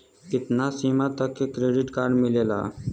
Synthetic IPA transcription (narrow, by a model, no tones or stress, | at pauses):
kɪt̪naːsiːmaːt̪əkːekɾeːɖɪʈkaːɾɖmɪleːla̰ː